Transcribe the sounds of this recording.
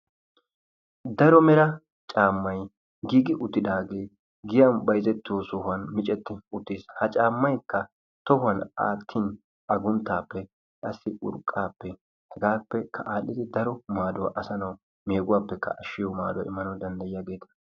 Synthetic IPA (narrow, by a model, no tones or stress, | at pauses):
d̪ɐɾɔmɛɾɐ | t͡ʃʼaːmːɐj | ɡiːɡɪʔʊt̪ːɪd̪aːɡeː | ɡɪjɐnbɐjzɛt̪ːɪoːsɔhʊɐnmɪt͡ʃʼɛt̪ːɪʊt̪ːishɐt͡ʃʼaːmːɐjkːɐ | t̪ɔhʊɐna̰ːt̪ʰːin | ɐɡʊnt̪ːaːpːɛ | kʼɐsːɪʔʊ̰ɾkʼːaːpːɛ | hɛɡaːpːɛkʰɐ̰ʔaːlɪd̪ɪd̪ɐɾɔmaːd̪ʊwɐ̰ʔɐsɐnɐw | meːɡʊwaːpːɛkːɐ̰ʔɐʃːɪjɔma̰ːd̪ʊwa̰ɪ̰mːɐnɐwd̪ɐnd̪ɐjɪjaːɡe̞ːt̪ɐ